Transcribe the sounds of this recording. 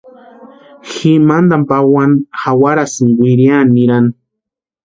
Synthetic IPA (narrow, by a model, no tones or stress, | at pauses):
ximand̪ampawanxawaɾasɪŋwiɾjaniɾan